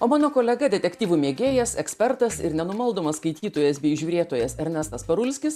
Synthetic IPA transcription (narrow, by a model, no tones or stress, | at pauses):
oːmɑːnoːkoːlʲɛɡɐd̪ʲɛt̪ʲɛkt̪ʲiːʋumʲiɛɡʲeːjɛsɛksʲpʲɛɾt̪ɐsɪ̰ɾnʲɛnʊmɐlˠd̪oːmɐsskɐɪt̪ʲiːt̪oːjɛsbʲeːʒʲuːɾʲeːt̪oːjɛsɛɾʲnʲɛst̪ɐspɐɾʊlʲsʲkʲɪs